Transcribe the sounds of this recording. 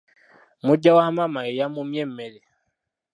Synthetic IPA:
muɟawamamaejamumjem̩ːele

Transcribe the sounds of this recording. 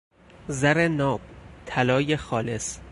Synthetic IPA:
zæɾenɒːb̥̚t̪ʰælɒːjexɒːles

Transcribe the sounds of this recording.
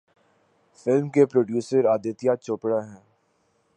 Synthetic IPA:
fɪlmkepɾoːɖjuːsəɾaːd̪ət̪ijat͡ʃoːpɽaɦɛ̃ː

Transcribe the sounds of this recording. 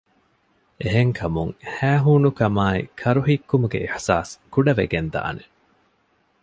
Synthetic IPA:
eɦeŋkʰɐmuŋhæːɦuːnukɐmaːḭkʰɐɾuɦikːumuɡḛiħsa̰ːskuɖɐʋḛɡend̪a̰ːne

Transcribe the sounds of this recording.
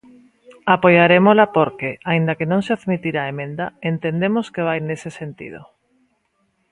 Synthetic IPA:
apojaɾemolapoɾkeaĩnd̪akenõŋseaðmit̪iɾaemẽnd̪a̰ent̪end̪emoskeβ̞ajnesesent̪ḭð̞o̰

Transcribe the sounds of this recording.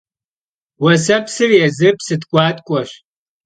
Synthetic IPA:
wɐsɐpsɨrjɛzɨpsɨtkʷʼɑːtʼkʷʼɔɕ

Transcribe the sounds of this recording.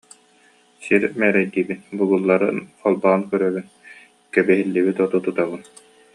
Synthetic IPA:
siɾmɛːɾɛjd̪iːbinbuɡulˠːaɾɯnɔlˠbaːnkœɾœbyn | kɛbɛɦilːibit̪ɔt̪ut̪ut̪aβɯn

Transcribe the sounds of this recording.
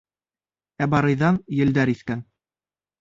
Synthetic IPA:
æbɑɾɤ̆jðɑnjɘ̆ld̪æɾiθkæn

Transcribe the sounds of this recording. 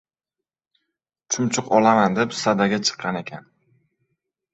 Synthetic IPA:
t͡ʃʰʊmt͡ʃʰʊqɒlamand̪e̞psad̪aɡʲat͡ʃʰɨ̥qʰːɑne̞kʲʰan

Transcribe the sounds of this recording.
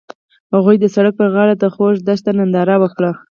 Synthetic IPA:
haɣujd̪əsaɽək̚pəɣɑɽat̪axoʃd̪ast̪anand̪ɑɾawəkɽa

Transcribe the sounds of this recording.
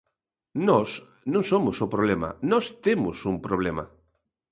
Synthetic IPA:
nɔs | nõŋsomʊsopɾoβlemɐ̰a̰nɔst̪emʊsumpɾoβ̞lema̰

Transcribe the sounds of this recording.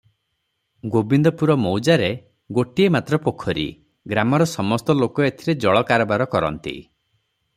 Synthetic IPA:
ɡobind̪ɔpuɾɔmɔwd͡ʒaɾe | ɡoʈiemat̪ɾɔpokʰːɔɾḭ | ɡɾamɔɾɔsɔmɔst̪ɔlokɔet̪ʰiɾed͡ʒɔɭɔkaɾɔbaɾɔkɔɾɔ̰nt̪ḭ

